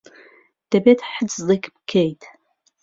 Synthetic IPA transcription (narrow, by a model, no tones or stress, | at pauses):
d̥abetʰħət͡sʰʼlɨkʰʲʼbkʲʰejtʰʼ